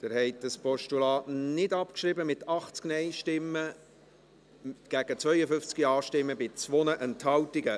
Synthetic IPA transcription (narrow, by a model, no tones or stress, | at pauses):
d̥ɪɾhɛɪt̚dəspɔʃtulɑːtnɪdɑpkʃɾɪbəmɪtɑχt͡sknɛɪʃtɪmːə | ɡ̥æɡ̥ət͡svœʏəfʏft͡skiɑːʃtɪmːəbɪt͡sʋonəʔɛnthɑwtɪɡə